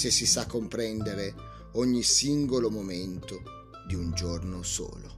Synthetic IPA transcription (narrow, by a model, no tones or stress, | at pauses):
sesːisakːompɾɛnd̪eɾe | ɔɲːisiŋɡolomoment̪o | d̪iund͡ʒornoso̰ːlo